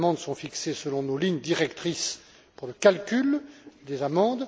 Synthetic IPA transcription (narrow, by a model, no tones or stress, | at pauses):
mɑ̃d̪sɔ̃fiksesəlɔ̃noliɲd̪iʁɛkt̪χis | puʁləkalkʲyld̪ezamɑ̃d̪